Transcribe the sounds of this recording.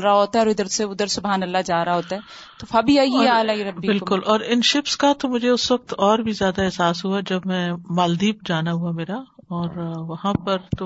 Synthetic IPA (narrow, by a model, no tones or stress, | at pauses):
ɾɦoːt̪aɛɔːɾɪd̪əɾseʊd̪əɾsʊbʱɦaːnɐlːad͡ʒaːɾaɦoːt̪aɦɛ | t̪ofaːbiaːjiaːlaːiɾɐbbibɪlkʊlɔːɾɪnʃɪfskat̪omʊd͡ʒʱeʊsʋɐk̚t̪ɔːɾbʱizjaːd̪aɛɦsaːsɦuad͡ʒɐbmɛ̃ːmaːld̪iːp̚d͡ʒaːnaɦuameːɾaɔːɾʋɐɦãpɐɾt̪o